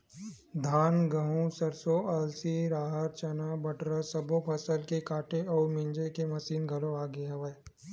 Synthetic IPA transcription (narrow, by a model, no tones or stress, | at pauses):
d̪ʱaːnɡɐɦũsɐɾsoʔɐlsiɾaːɦəɾt͡ʃɐnabɐʈɾəsɐbopʰɐsəlkekaːʈeɔːɾmɪ̃ɲd͡ʒekemɐsiːnɡʱɐloaːɡeɦɐʋəe